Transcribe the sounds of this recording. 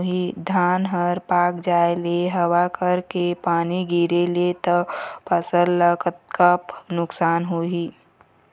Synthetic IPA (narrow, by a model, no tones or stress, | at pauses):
ɦid̪ʱaːnɦəɾpaːkd͡ʒaːeleɦəwakəɾkepaːniɡʱiɾelet̪əpəsəɾləkt̪̚kəpnʊksaːnɦuɦiː